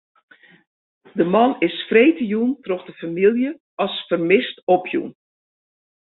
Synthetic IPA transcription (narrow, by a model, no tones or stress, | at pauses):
dəmɑnɪsfreːtəjuntrɔxdəfamilˠjə | ɑsfərmɪstopʰjṵn